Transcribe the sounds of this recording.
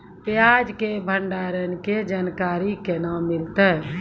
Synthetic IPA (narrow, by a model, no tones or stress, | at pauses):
pjad͡ʒkebʱəɳɖaɾənked͡ʒankaɾikenamilt̪ɛ